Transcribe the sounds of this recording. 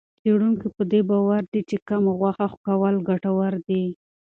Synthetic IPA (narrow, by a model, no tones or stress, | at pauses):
t͡seɽuŋkipəd̪ebawaɾd̪it͡ʃekamaɣwaxaxkawalɡaʈawaɾd̪i